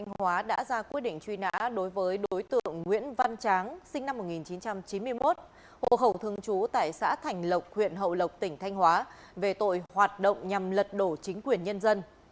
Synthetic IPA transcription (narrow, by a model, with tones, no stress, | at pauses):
t̪ʰa˧jjŋ̟hwaː˨˦ɗa̰ː˧˥zaː˧kwi˦˥ət̚ɗḭ˧˨ŋ̟t͡ɕwi˧na̰ː˧˥ɗo˨˦jvəː˨˦jɗoo˨˦jt̪ɨ̰˧˨əŋːwḭ˧˥ənva˧nt͡ɕaː˨˦ŋsï˧ŋ̟na˧mːo˨˩ŋi˨˩nt͡ɕi˨˦nt͡ɕa˧mt͡ɕi˨˦nmɨ˧əjmo˦˥t̚ | ho̰˧˨ɦə˧˩wt̪ʰɨ˧əŋt͡ɕu˨˦t̪a̰ː˧˨jsa̰ː˧˥t̪ʰa˨˩jŋ̟lə˨˩wk͡p̚hwḭ˧˨ənɦə̰˧˨wlə˨˩wk͡p̚t̪ï˧˩ŋ̟t̪ʰa˧jŋ̟hwaː˨˦ | ve˨˩t̪o̰˧˨jhwaː˨˩t̚ɗo̰˧˨wŋ͡mɲa˨˩mlə˨˩t̚ɗo˧˩t͡ɕï˨˦ŋ̟kwi˨˩ənɲə˧nzə˧n